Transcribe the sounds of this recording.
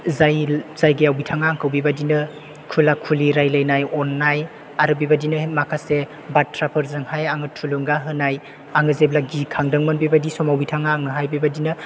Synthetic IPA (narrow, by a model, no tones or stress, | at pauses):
zajz̥ajɡejawbitʰaŋaŋkʰɯwbibadinɯ | kʰulakʰuliɾajlajnajɔnːaj | aɾɯbibadinɯmakʰase | batʰɾapʰɯɾzɯŋhajaŋɯtʰulɯŋɡaɦɯnaj | aŋɯzeblaɡikʰaŋdɯŋmɯnbibadisɔmawbitʰaŋaŋnɯɦajbibadinɯ